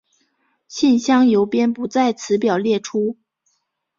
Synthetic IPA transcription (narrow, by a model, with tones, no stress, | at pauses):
ɕi˥˩nɕjɑ˥ŋjo˧˥ʊpjɛ˥npu˧˥t͡sa˥˩ɪt͡sʰɹ̩˧˥pjɑ˨˩ʊljɛ˥˩ʈ͡ʂʰu˥